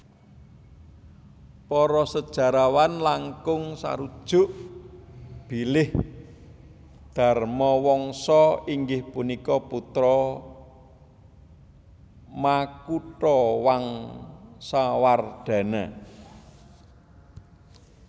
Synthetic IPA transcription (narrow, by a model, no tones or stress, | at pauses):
pɔɾɔsəd̥ʒ̥a̤ɾawanlaŋkʊŋsa̰ɾud̥ʒ̥ʊ̤ʔ | b̥ilɪh | d̪̥a̤rmɔwɔŋsɔiŋɡɪhpunikɔput̪ɾɔ | makuʈɔwaŋ | saward̪̥a̤na̰